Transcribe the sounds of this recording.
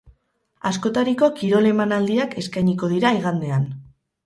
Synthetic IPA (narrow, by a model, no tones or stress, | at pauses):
asko̞t̪aɾiko̞kiɾo̞le̞manald̪iake̞skajɲiko̞ðiɾaiɣand̪e̞an